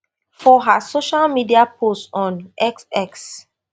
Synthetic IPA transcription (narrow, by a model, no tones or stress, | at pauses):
fɔɦasoʃalmidiapʰostɔ̃nɛksɛks